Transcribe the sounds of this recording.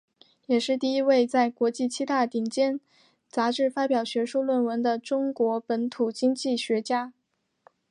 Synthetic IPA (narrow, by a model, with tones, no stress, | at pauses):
jɛ˨˩ʂɻ̩˥˧t̪i˥˩i˥we˥˧ɪt͡sa˥˩ɪkwɔ˧˥t͡ɕi˥˩t͡ɕʰi˥t̪a˥˩t̪i˨˩ŋt͡ɕjɛ˥n | t͡sa˧˥ʈ͡ʂɻ̩˥˩fa˥pjɑ˨˩ʊɕɥɛ˧˥ʂu˥˧lwə˥˩nwə˧˥nd̪ə˧ʈ͡ʂʊ˥ŋkwɔ˧˥pə˧˥nt̪ʰu˨˩t͡ɕi˥ŋt͡ɕi˥˩ɕɥɛ˧˥t͡ɕja˥